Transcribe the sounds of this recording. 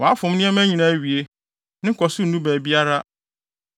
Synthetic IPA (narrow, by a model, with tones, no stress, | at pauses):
wɔ˨a˦fʊ̃˨m˦nɪ̃˦ɛ˦mæ̃˦ɲĩ˨nã˨˦ɥi˨e˦ | nɪ̃˦kʰɔ˨sʊ˦n̩˨nũ˦bæː˨bi˦a˦ɾa˦